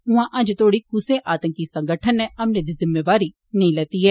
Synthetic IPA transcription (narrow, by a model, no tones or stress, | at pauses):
ɦʊãʔɐd͡ʒt̪ʰoːɽikuseʔaːt̪ə̃ŋkisə̃ŋɡəʈʰənːɛ̃ɐmned̪izɪmːeːʋaːɾi | nɐĩlɛːt̪iɦɛː